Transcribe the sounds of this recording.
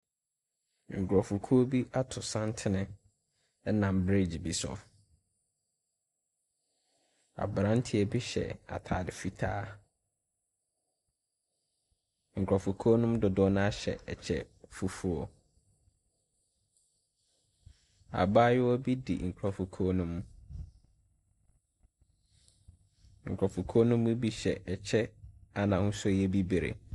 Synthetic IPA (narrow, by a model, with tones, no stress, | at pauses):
ŋ̩˨kʰɔ˨fu˨kʰu˦o˦bi˦a˦tʰʊ˨sã˦ntʰɪ˦nɪ̃˦ | ɛ˦nã˨m˨bɾe˦˨d͡ʑi˨bi˨sʊ̰˨ | a̰˨bɾã˦n̩˦tʰɪ˦ɛ˨bi˦ɕɛ̰˨a̰˨tʰaː˨dɪ˨fi˦tʰaː˦ | ŋ̩˨kʰɔ˨fu˨kʰɔ˦nʊ̃˦mdʊ˨dɔ˦nã˦a˦ɕɛ̰˨ɛ˨t͡ɕʰɛ̰˦fu˨fu˦ɔ̰˨ | a̰˨ba˦jɪ˦wɔ˦bi˦dḭ˨ŋ̩˨kʰʊ˨ɾɔ˨fu˨kʰoː˦nũ˦m | ŋ̩˨kʷʰɾɔ˨fu˨kʰo˦nũ˦mu˦bi˦ɕɛ˨ʔɛ˨t͡ɕʰɛ˦a˦nã˨hʊ̃˦sʊ˦˨jɛ˦bi˦be˨ɾḛ˨